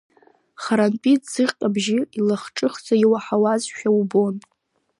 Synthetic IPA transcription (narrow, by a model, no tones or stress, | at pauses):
χaɾanpʼitʼz̥ɨʁʲqʼabʒiilaχʈ͡ʂʼɨχd͡zʼajiwaħawazʃᶣaubo̞n